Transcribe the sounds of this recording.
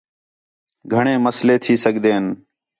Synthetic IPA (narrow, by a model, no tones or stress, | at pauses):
ɡʱəɳẽːməsleːt̪ʰiːsəɠd̪eːɦən